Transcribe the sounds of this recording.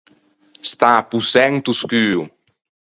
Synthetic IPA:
st̪apusɛŋt̪uskyw

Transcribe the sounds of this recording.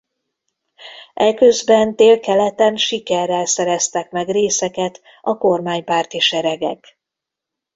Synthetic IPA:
ʔɛkø̞zbɛnt̪eːlkɛlɛt̪ɛnʃikɛrːɛlsɛɾɛst̪ɛkmɛɡreːsɛkɛt̪ | ɒko̞rmaːɲpaːrt̪iʃɛɾɛɡɛ̰k

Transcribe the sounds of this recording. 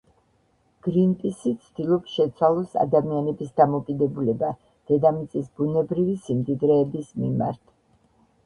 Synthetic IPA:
ɡ̥ɾinpʼisit̪sʰd̪̥ilˠɔpsʃɛt̪sʰwalˠɔsa̰d̪amianɛbisd̪amɔkʼid̪ɛbulɛba | d̪̥ɛd̪amit̪sʼisbunɛbɾivisimd̪id̪ɾɛːbismima̰ɾt̪ʰ

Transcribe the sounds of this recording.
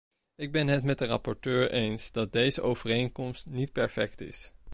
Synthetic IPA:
ɪɡ̚bɛnɦətmɛt̚dərɑpɔɹtøːɹʔejnsdɑt̚dejzəʔowvərejnkɔmstnit̚pɛɹfɛktɪ̰s

